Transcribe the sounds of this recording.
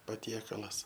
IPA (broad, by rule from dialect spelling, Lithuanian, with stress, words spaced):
pɐˈtʲiɛkɐlˠɐs